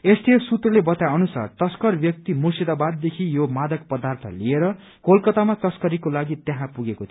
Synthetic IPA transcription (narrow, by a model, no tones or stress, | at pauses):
est̪iesut̪rʌlebʌt̪jaʌnusa̰rt̪ʌskʌrbjʌk̚t̪imusid̪abad̪̚ːekʰijomad̪ʌk̚pʌd̪art̪ʰʌ̰lieɾʌ | kolkʌt̪amat̪ʌskʌɾikolaɡit̪jaɦãpuɡekot̪ʰ